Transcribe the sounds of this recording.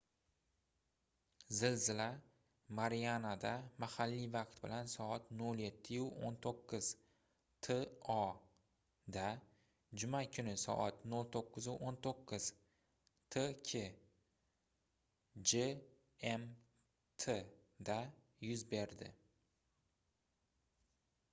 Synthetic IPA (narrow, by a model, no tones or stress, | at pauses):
zɪlzɪla | maɾijanad̪amahalːivɑqt̪bɪlansɒat̪nolje̞t̪ʰːɪʊont̪ʰoqːɨz̥ | t̪ʰeɒ | d̪a | d͡ʒʊmakʲʰʊnɪsɒ̰ʔat̪nolt̪ʰoqːɨzʊʔont̪ʰoqʰːɨz̥ | t̪ʰekʲʰe | d͡ʒe | em | t̪ʰed̪a | jʊzbe̞ɾd̪ɪ̰